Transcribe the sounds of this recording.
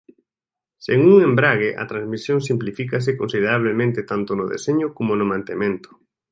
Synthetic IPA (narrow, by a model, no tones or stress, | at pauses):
seŋuŋẽmbɾaɣeʔa̰t̪ɾãnzmisjõŋsimplifikas̬ɪkonsið̞eɾaβ̞lemẽnt̪ɪt̪ant̪onʊðḛseɲʊkomonʊmãnt̪emẽnt̪ʊ̥